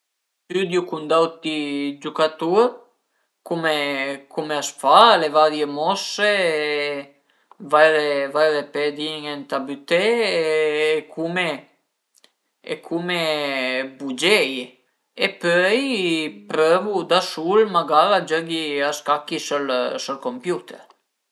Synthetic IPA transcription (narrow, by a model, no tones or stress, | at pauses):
t̪yd̪jukund̪awt̪id͡ʒukat̪uɾ | kumekumeasfalevadjəmɔse | vajɾevajɾepɛd̪iŋɛnt̪abyt̪ɛː | kʰumɛ | ɛ̰kʰumɛ | bud͡ʒɛj | ɛpœjpɾœvud̪asulmaɡaɾad͡ʒəɡiaskakisəlsɔlkɔmpjut̪ɛ̰ɾ